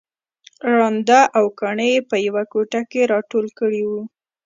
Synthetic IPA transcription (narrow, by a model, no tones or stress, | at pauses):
ɾɑnd̪aʔawkɑɳəjepəjawakoʈakeɾɑʈolkəɽiwu